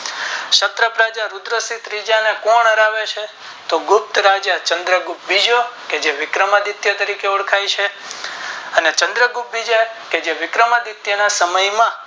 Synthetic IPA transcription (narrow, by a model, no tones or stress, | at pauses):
ʃət̪ɾəpɾad͡ʒaɾud̪ɾəsit̪ɾid͡ʒanekɔɳəɾaʋet͡ʃʰe | t̪oɡʊp̚t̪ɾad͡ʒjat͡ʃə̃nd̪ɾəɡup̚bid͡ʒoked͡ʒeʋɪkɾəmad̪it̪jət̪əɾikeuɽkʰajt͡ʃʰe | ənet͡ʃə̃nd̪ɾəɡup̚bid͡ʒaked͡ʒeʋɪkɾəmad̪it̪jənasəməjmã